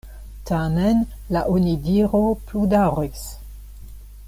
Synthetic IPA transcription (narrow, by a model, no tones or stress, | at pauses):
tʰamen | laʔonidiɾopludaʁis